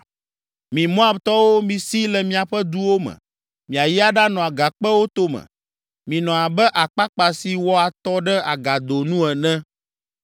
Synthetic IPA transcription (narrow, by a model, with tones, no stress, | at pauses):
mĩ˨mɔ̃˦a˨bt̪ɔ˦wo˦mĩ˨si˦lɛ˨mĩ˦a˨ɸɛ˦d̪u˦wo˦mɛ̰̃˨ | mĩ˨a˨ji˦a˦ɖa˦nɔ̃˨a˨ɡa˨k͡pɛ˦wo˦t̪o˦mɛ̰̃˨ | mĩ˨nɔ̃˨a˨bɛ˦ʔa˨k͡pa˦k͡pa˨si˨wɔ˦a˨t̪ɔ˦ɖɛ˦a˨ɡa˨d̪o˨nũ˦ɛ˨nɛ̃˦